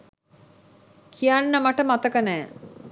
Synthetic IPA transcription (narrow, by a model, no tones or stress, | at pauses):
kʰijanːəmaʈəmat̪əkənɛː